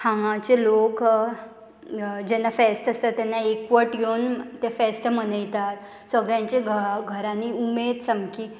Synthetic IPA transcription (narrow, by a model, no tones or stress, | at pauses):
hʰãŋãt͡ɕelok | d͡ʑɛnːafɛst̪əsət̪ɛnːaekʋəʈɡewnt̪efɛst̪əm̤ənəjt̪at̪ | sʋəɡɭjãɲt͡ɕeɡʱɡʱəɾaniumed̪səmki